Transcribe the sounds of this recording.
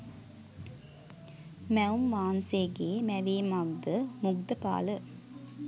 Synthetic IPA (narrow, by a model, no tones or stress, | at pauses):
mɛumʋaːnseːɡeːmæʋeːmaɡ̚d̪əmuɡd̪əpa̰ːlə